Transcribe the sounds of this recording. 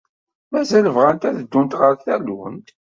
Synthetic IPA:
mæzæləvʁænt̪æðəd̪ːunt̪ʁəɾθælə̰nt̪

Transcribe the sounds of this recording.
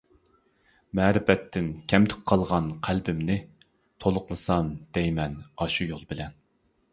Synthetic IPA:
mɛːɾɪfɛt̪ʰːɪnkʲʰɛmt̪ʰy̥k̚ʲqʰɑlˠʁɑnqʰælbɪmnɪ | t̪ʰolˠʊqlˠɨsɑnd̪̥ɛjmɛnɑʃujolˠbɪlɛn

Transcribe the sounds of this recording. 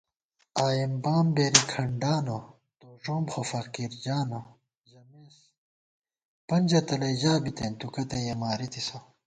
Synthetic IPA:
aːjimbaːmbeːɾikʰɐɳɖaːno | t̪oːʂoːmxofɐkiːɾd͡ʑaːno | ʑɐmes | pɐnʲd͡ʑɐt̪ɐlɐjʑaːbit̪ent̪ukɐt̪ɐjɐmaːɾit̪isɐ

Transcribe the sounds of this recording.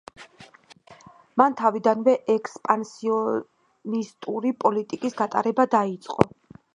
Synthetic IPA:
mant̪ʰavid̪anvɛʔɛkspʼansiɔ | nist̪ʼuɾipʼɔlit̪ʼikʼisɡat̪ʼa̰ɾɛbad̪ait̪sʼqʼɔ̰

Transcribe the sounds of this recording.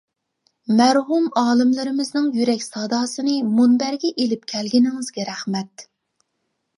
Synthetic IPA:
mɛɾɦumɑːlˠɨmlɨɾɪmɪznɨŋjyɾɛkʲsɑːd̪ɑːsɨnɨmunbæɾɡʲɛʔelɪp̚kʲʰɛlɡʲinɪŋɪzɡʲɛɾæχmɛt̪̚

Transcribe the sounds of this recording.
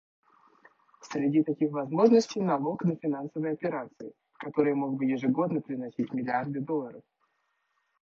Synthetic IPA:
sʲɾʲɪdʲit̪ɐkʲixvɐzmo̞ʐnəsʲtʲɪjnɐlˠo̞knəfʲɪnansəvəjɐpʲɪɾat̪sɨɪ | kɐt̪o̞ɾɨjəmo̞ɡ̚bɨjɪʐɨɡo̞d̪nəpɾʲɪnɐsʲitʲmʲɪlʲɪard̪ɨd̪o̞lˠːəɾəf

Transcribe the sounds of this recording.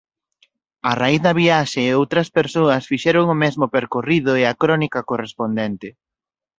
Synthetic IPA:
ɐraiθðɐβiaʃeːowt̪ɾɐspeɾsoɐsfiʃɛɾoŋomɛzmopeɾkoriðoeɐkɾɔnikɐkorespond̪ɛnt̪ɪ

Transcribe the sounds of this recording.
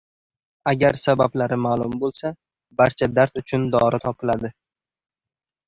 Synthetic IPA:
aɡʲaɾsabablaɾɪmaːlˠʊmbolˠsa | baɾt͡ʃʰad̪aɾt̪ʊt͡ʃʰʊnd̪ɒɾɪt̪ʰɒpʰɪlad̪ɪ

